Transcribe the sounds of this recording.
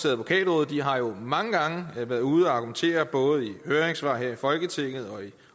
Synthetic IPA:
seɐð̩ˠpɒ̥kʰɛ̰ːd̥ʁɔ̽ːð̩ˠd̥iɦɑ̈jo̝mɑ̈ŋəɡ̥ɑ̈ŋəʋæɐðˠuːð̞̩ˠɒɑ̈ɡ̥ument͡sʰe̝̰ːɐb̥ɔ̽ːð̞̩ˠihøːɐʁeŋsʋɑ̈ːɦheɐ̰ifɒ̽lɡ̥ət͡sʰe̝ŋ̰ð̞̩ˠɒ̽i

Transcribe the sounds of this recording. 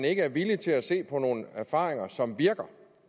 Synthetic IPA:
ne̝ɡ̥əæɐʋilit͡sʰe̝læse̝̰ːpʰɒ̽no̝ːn̩əæɐfɑ̰̈ːʁeŋɐsɒ̽mʋiɐɡ̥ɐ

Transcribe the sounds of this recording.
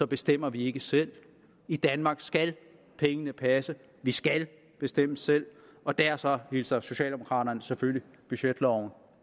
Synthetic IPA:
sɒ̽b̥e̝sd̥em̰ɐʋie̝ɡ̥əsel̰ | id̥ænmɑ̈ɡ̥sɡ̥æl | pʰeŋənəpʰæsə | ʋisɡ̥æl | b̥e̝sd̥em̰əsel̰ɒ̽d̥æɐsɒ̽hilsɐso̝ɕɛ̰ːld̥emokʰʁɑ̰̈ːɾɐnəsefølji | b̥yɕed̥lɒʊ̰n̩

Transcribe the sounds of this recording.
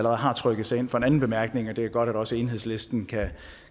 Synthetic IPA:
ləʁɛð̩ˠɦɑ̈t͡sʰʁœɡ̥əð̩ˠsɑ̈e̝n̰fɒ̽e̝nænn̩b̥e̝mæɐɡ̥ne̝ŋɒd̥e̝æɐɡ̥ɒ̽ɾ̥æd̥ɒ̽səe̝ːnɦe̝ð̰ˠslesd̥n̩kʰæ

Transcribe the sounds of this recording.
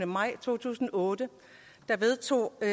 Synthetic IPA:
nəmɑ̈ɪ̰t͡sʰo̝̰ːt͡sʰṵːsn̩ɒɔ̽ːd̥ə | d̥ɑ̈ʋe̝ðˠt͡sʰo̝̰ː

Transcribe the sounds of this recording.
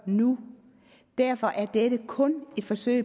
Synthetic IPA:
nu | d̥æɐ̰fɒ̽ʔæɐd̥eɾ̥əkʰɔ̽ne̝d̥fɒ̽sø̰ɪ

